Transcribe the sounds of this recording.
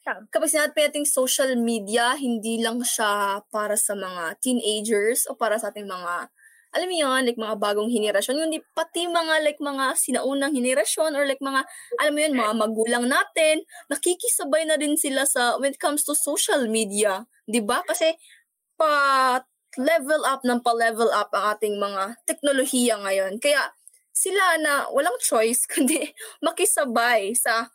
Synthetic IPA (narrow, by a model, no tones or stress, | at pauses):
kɐpaɡ̚sɪnaːd̪t̪̚pɐjnaːt̪ɪŋsowʃɐlmiːd̪ijɐɦɪnd̪iːlɐŋʃapaːɾɐsɐmɐŋat̪inʔejd͡ʒɛɹsʔo̞paːɾɐsɐʔaːt̪ɪŋmɐŋa | ʔɐlamojanlajk̚mɐŋabaːɡoŋɦɪnɛɾɐʃjo̞nkʊnd̪ipɐt̪imɐŋalajk̚mɐŋasɪnɐʔuːnɐŋhɪnɛɾɐʃjo̞noɹlajk̚mɐŋaʔɐlamːojonmɐŋamɐɡuːlɐŋnaːt̪ɪnːɐkikɪsɐbajnɐɾɪnsɪlasɐwɛnt̪̚kamst̪usowʃɐlmiːd̪iɐ | d̪ɪbakɐsɛ | pɐ | lɛvɛlʔap̚nɐŋpɐlɛvɛlʔap̚ʔɐŋʔaːt̪ɪŋmɐŋat̪ɛk̚nolohijɐŋɐjo̞nkɐjaʔ | sɪlanɐwʔɐ̰laŋt͡ʃo̞jskʊnd̪ɛmɐkɪsɐbajsɐ